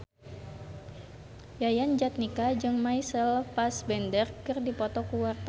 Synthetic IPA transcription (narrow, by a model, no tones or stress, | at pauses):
jajand͡ʒat̪̚nikad͡ʒɨŋmajsəlpasbɛndərkɨrdipɔt̪ɔkuwart̪